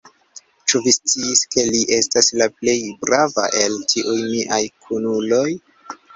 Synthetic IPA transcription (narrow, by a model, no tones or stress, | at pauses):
t͡ʃuvist͡siːske̞liʔe̞staslaple̞jbɾava̰ʔe̞ltʰiʔujmiʔajkʰunulo̞j